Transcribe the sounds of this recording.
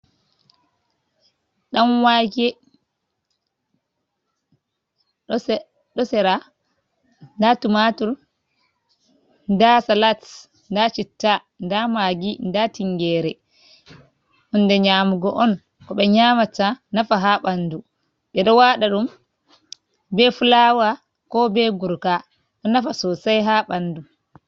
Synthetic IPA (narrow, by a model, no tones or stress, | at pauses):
ɗamwaɡɛ | ɗɔsɛɾa | ndatumatul | ndasalats | ndat͡ʃitːa | ndamaɡindatiŋɡɛːɾɛ | ʔɔndɛɲaːmuɡɔʔɔn | kɔɓɛɲaːmatanafaɦaɓandu | ɓɛɗɔwaɗaɗum | bɛfulawa | kɔbɛɡuɾka | ɗɔnafasɔsajɦaɓandu